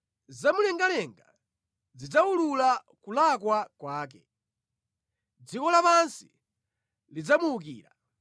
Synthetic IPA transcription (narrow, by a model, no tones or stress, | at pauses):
zamulɛŋɡalɛŋɡa | d͡zid͡zaulula | kulakwakwaːk̬ɛ | d͡zikɔlapansi̥ | lid͡zamuːkḭːla̰